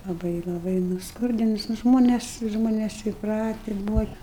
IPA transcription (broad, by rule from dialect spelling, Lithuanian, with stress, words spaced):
lˠɐˈbɐɪ lˠɐˈbɐɪ nʊsˈkʊrʲdʲɪnʊs nʊ ˈʒmoːnʲɛs ˈʒmoːnʲɛs iːpˈrɑːtʲɪ ˈbuːʋɐ